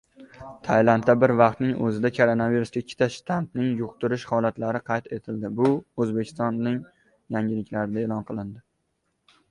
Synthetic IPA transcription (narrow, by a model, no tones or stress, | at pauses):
t̪ʰajlant̪ːabɪɾvɑqt̪nɪŋɵ̰zɪd̪akʰoɾonaviɾusɡʲakʲʰːɪ̥t̪ʰaʃt̪ʰant̪nɪŋjʊqt̪ʊɾɪʃhɒlˠat̪laɾɪqʰɑjt̪ʰe̞t̪ʰɪld̪ɪbʊɵzbekʲʰɪ̥st̪ɒnːɪŋ | jaŋʲɪlɪkʲlaɾɪd̪aelˠɒnqʰɨlˠɪnd̪ɪ